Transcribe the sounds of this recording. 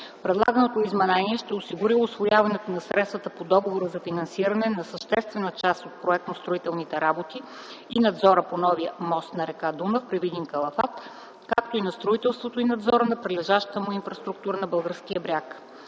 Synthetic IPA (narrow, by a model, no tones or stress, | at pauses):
pɾɛd̪lˠa̰ɡənot̪oizmɛnɛniɛʃt̪ɛʊsiɡʊɾiʊsvojavɐnɛt̪onɐsɾɛt̪st̪vət̪əpod̪ɔɡovoɾəzɐfinɐnsiɾɐnɛnɐsəʃt̪ɛst̪vɛnət͡ʃast̪ot̪̚pɾoɛk̚t̪nost̪ɾoit̪ɛlˠnit̪ɛɾabot̪iː | nɐd̪zɔɾəponɔviəmɔst̪nɐɾɛkad̪unəfpɾɛvid̪iŋkɐlˠɐfat̪ | kak̚t̪oinɐst̪ɾoit̪ɛlˠst̪vot̪oinɐd̪zɔɾənɐpɾɛlɛʒaʃt̪ə̥t̪əmʊinfɾɐst̪ɾuk̚t̪uɾənɐbɤlˠɡəɾskijəbɾʲjak